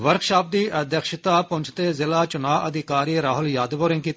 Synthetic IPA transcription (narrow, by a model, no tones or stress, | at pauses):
ʋəɾkʃaːp̚d̪iːʔəd̪əkʃɪt̪aːpʊ̃ɲt͡ʃʰt̪eːzɪlaːt͡ʃʊnaːʔəd̪ɪkaːɾiːɾaːɦʊljaːd̪ʋoːɾɪ̃ŋɡkiːt̪ː